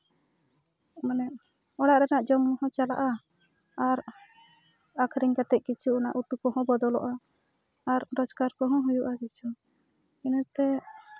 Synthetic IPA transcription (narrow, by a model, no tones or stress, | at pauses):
manɛ | ɔɽaʔɾɛnaʔd͡ʒɔmɔhɔ̃t͡ʃala̰ʔa | aɾ | akʰɾiŋkat̪ɛʔ̚ˀkit͡ʃʰuːna̰ʔut̪ukɔɦɔ̃bɔd̪ɔlɔ̰ʔaː | ɾɾɔd͡ʒkaɾkɔɦɔ̃ɦujuʔakit͡ʃʰu | inət̪ɛ